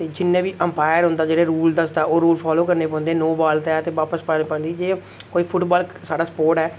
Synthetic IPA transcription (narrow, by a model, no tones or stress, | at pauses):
t̪eːd͡ʒɪnːẽːbiːʔəmpaːjəɾɦʊ̃nd̪aːd͡ʒeːɽeːɾuːld̪əsd̪aːoːɾuːlpʰaːloːkəɾneːpɔ̃ːnd̪eːnoːbaːlt̪ɛːət̪eːʋaːpəspəneːpə̃nd̪iːd͡ʒeː | koːiːpʰʊʈbaːlsaːɖaːsə̥poːɾʈɛː